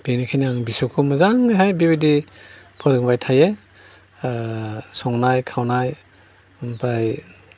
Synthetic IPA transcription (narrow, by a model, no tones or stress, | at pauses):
b̥inikʰajniaŋbisukʰumazaŋajɦajbibidipʰɯɾɯŋbajtʰaje | sɔŋnajkʰawnaj | unpɾaj